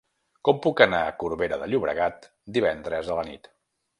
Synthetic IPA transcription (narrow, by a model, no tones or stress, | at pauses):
kɔmpukənaəkuɾβeɾəðəʎuβɾəɣat̪̚ | d̪iβ̞ɛnd̪ɾəzðələnḭt̪